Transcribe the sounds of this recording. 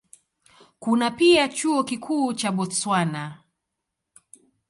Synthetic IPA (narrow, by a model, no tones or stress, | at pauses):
kunapiat͡ʃuɔkikʰuːt͡ʃaɓɔswana